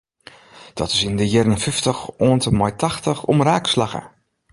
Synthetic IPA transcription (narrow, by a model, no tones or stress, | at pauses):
d̥ɔ̰tɪsɪndəjɛrənfɪftəxɔəntəmɔjtaxtəxɔ̰mraːkslaɣə̰